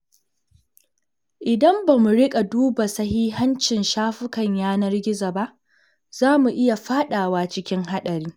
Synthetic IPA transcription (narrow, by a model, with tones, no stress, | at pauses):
ʔɪ˨dɐ˦mba˨mu˨ɽɪ˦kʼa˨duː˦ba˨sɐ˦hiː˦ɦɐ˦nt͡ʃɪ˨nʃaː˦ɸɪ˦kɐ˨ɲjaː˦nɐ˦rɡʲɪ˦za˨ba˦ʔ | z̥aː˦mu˨ʔɪ˦ja˨ɸaː˦ɗaː˨waː˦t͡ʃɪ˦kʲɪ˦ŋɦa˦ɗɐ˨ɾiː˦